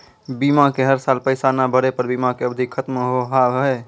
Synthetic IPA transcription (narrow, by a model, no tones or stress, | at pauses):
biːmakeɦəɾsaːlpəɪsanabʱəɽepəɾbiːmakeəbd̪ʱikʰət̪mɦoɦaɦə